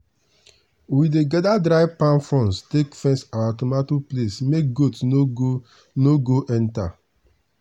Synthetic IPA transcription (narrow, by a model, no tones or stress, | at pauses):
wideɡɛdadɾaɪpãnfɔ̃nstekfɛ̃nsawatomatuplesmek̚ɡotno | noɡoʔɛ̃nta̰